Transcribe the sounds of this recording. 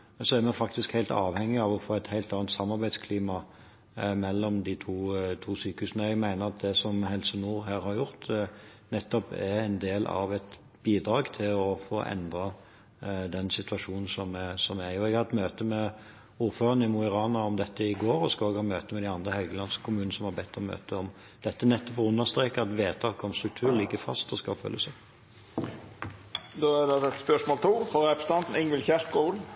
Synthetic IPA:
sɔæɾmɛfɑk̚t̪ɪskhæɪlt̪ɑ̰ːʋhɛŋːɪɑʋɔfoːæɪt̪hæɪlt̪ɑːnt̪sɑmːɑʁbæɪd̪skʰliːmɑ | mɛlːɔmd̪it̪ʰuːt̪ʰuːsyːkəhʉːsnəɛɡmæɪnəʁɑt̪̚d̪ɛsɔmhɛlsənuːʁɦæːɾhɑɾjʊʁt̪ | nɛt̪ːɔpææɪnd̪eːlɑ̰ʋɛt̪ | biːd̪ɾɑːɡt̪ʰɪlɔfoːʔɛ̰nd̪ɾɑ | d̪ɛnsɪt̪ʉɑʂuːnn̩sɔmsɔmæjʊɛɡhɑt̪møːt̪əmɛ | uːʁføːʁənəɪmuɪʁɑːnɑɔmd̪ɛt̪ːəɪɡoːɾɔskɑoɡhɑːmøːt̪əmɛd̪ɪɑnd̪ʁəhɛlɡəlɑnskʰʊmʉːnnəsɔmhɑbɛt̪ːɔmø̰ːt̪əɔm | d̪̥ɛt̪ːənɛt̪ːɔpɔʁʉnːəʁst̪ɾeːkəɑt̪ʋeːt̪ʰɑːkɔmst̪ɾʉkt̪ʰʉːɾlɪɡːəfɑ̰st̪ɔskɑlfœ̰lːʔəsɛ | d̪oːæd̪ɛd̪ɛt̪spœʂmoːlt̪ʰuːfɔɾɛpst̪ɑnt̪n̩ɪŋʋɪlçæʂɡol

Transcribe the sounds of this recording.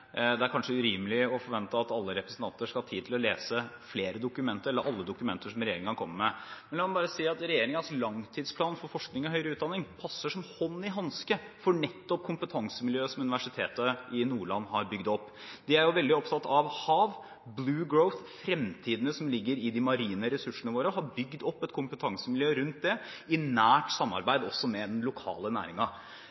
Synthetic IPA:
d̪ɛæɾkʰɑnʂəʉɾiːməlɪɔfɔɾʋɛnt̪əɑt̪ɑlːəɾɛpɾəsn̩t̪ɑnt̪əʂkɑhɑːt̪ʰiːd̪t̪ʰɪlɔleːsəfleːɾəd̪ʊkʉmɛnt̪əɾɛlːəɾʔɑlːəd̪ʊkʉmɛnt̪əʂɔmɾɛjeːɾɪŋənkʰɔmːəmɛmɛnlɛkɑnbɑːɾəsiːɑt̪ɾɛjeːɾɪŋənslɑŋt̪ʰiːd̪spʰlɑːnfɔɾfɔʂknɪŋɔɦœʏɾəʉːt̪̚d̪ɑnːɪŋpʰɑsːəʂɔmhɔnːɪɦɑnskəfɔɳɛt̪ːɔp̚kʰʊmpət̪ʰɑŋsəmɪljøːsɔmʉnɪʋæʂɪt̪ʰeːt̪əʔɪnuːɭɑ̰nːɦɑɾbʏɡd̪ɔpː | d̪̥ɪæɾjʊʋɛld̪ɪɔpt̪ʰɑt̪ːɑʋhɑːʋ | blʉːɡɹəʊθfɾɛmt̪ʰiːd̪ənəsɔmlɪɡːəɾɪd̪ɪmɑɾiːnəɾɛsʉʂənəʋoːɾəɦɑɾbʏɡd̪ɔpːɛt̪kʰʊmpət̪ʰɑŋsəmɪljøːɾʉnt̪̚d̪ɛɪnæːʈsɑmːɑ̰ɾbæɪd̪ɔsːɔmɛd̪ɛnlʊkʰɑ̰ːlənæ̰ːɾɪŋɑ

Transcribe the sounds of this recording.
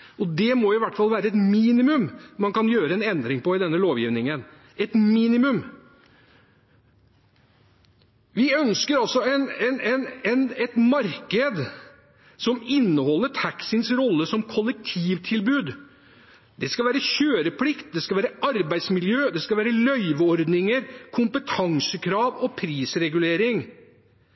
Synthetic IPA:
ɔd̪ɛmɔɪʋæʈːfɑlˠʋæːɾəɛt̪miːnɪmʉmmɑnkɑnjøːɾəɛnɛnd̪ɾɪŋpɔɪd̪ɛnːəloːʋjiːʋnɪŋən | ɛt̪miːnɪmʉm | ʋɪœnskəɾɑlsɔɛnɛnɛnɛnɛt̪mɑɾkəd̪ | sɔmɪnːəhɔlːəʈʰæksənsɾɔlːəsɔmkʰɔlːɛk̚t̪ʰiːʋt̪ʰɪlbʉːd̪ | d̪ɛskɑʋæːɾəɕøːɾəpʰlɪkt̪̚d̪ɛskɑʋæːɾəʔɑɾbæɪd̪smɪljøːd̪ɛskɑʋæːɾəlœʏʋɔɾd̪nɪŋəɾkʰʊmpət̪ʰɑŋsəkʰɾɑːʋɔpʰɾiːsɾɛɡʉleːɾɪŋ

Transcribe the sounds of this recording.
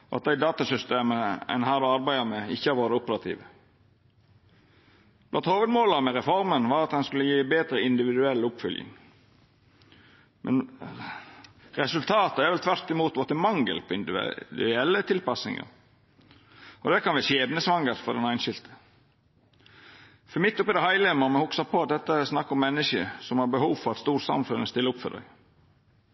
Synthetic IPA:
ɔɑt̪̚d̪æɪd̪ɑːt̪ɑsʏst̪eːməɛ̰nɦæːɾɔɑɾbæɪəmɛɪçːəhɑɾʋoːɾəʊpəɾɑt̪ʰḭːʋə | blɑnt̪hoːʋəd̪moːlɑmɛɾɛfɔɾmənʋɑːɾɑt̪̚d̪ɛnskʉlːəjiːbeːd̪ɾəɪnd̪ɪʋɪd̪ʉɛlʊpfʏljɪ̰ŋ | mʔɛ̰n | ɾɛsʉlt̪ʰɑːt̪əæɾʋɛlt̪ʰʋæɾt̪ɪmuːt̪ʋɔt̪əmɑŋɡə̰lpʰɔɪnd̪̰d̪ʉɛlːət̪ʰɪlpɑsnɪ̰ŋə̰ɾ | ɔd̪ɛkɑnʋæːɕeːb̪nəsʋɑŋəɾfɔɾd̪ɛnæɪnʃɪlt̪ə̥ | fɔmɪt̪ːʊpːɪd̪ɛhɑɪlɪəmɔmɛhʊksɑpʰɔɑt̪̚d̪ɛt̪ːəsnɑkːɔmːɛnːəʃəsɔmhɑɾbəhuːʋfɔɾɑt̪st̪uːɾsɑ̰mfʉnəst̪ɪlːəʊpfœ̰d̪œ̰ɪ

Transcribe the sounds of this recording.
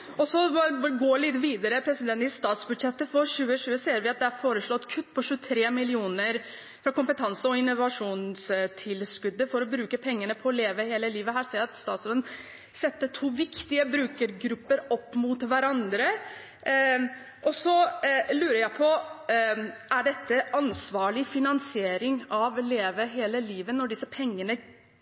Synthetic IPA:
ɔsɔɡoːɭɪt̪ʋiːd̪əɾəpʰɾɛsɪd̪ɛnt̪ɪst̪ɑːt̪sbʉd̪ʂɛt̪ːəfɔɾʂʉːəɕʉːəseːəɾʋɪɑt̪̚d̪ɛæɾfoːɾəʂɭɔt̪ːkʰʉt̪ːpʰɔɕʉːət̪ʰɾeːmɪlɪuːnəɾ | fɾɑkʊmpət̪ʰɑnsəɔɪnːʊʋɑʂuːnst̪ʰɪlskʉd̪ːəfɔɾɔbɾʉːkəpʰɛŋːəɳəpʰɔːleːʋəheːləliːʋəɦæːɾseːɾɑt̪st̪ɑːt̪sɾoːd̪ən | sɛt̪ːəʈʰuːʋɪkt̪ɪəbɾʉːkəɾɡɾʉpːəɾɔpːmut̪ʋæɾɑnd̪ɾə | ʔɔsɔlʉːɾəɾjæɪpʰɔ | æɖɛt̪ːəʔɑnsʋɑːɭɪfɪnɑnsɪeːɾɪŋɑʋleːʋəɦeːləliːʋənɔɖɪsəpʰɛŋːənə

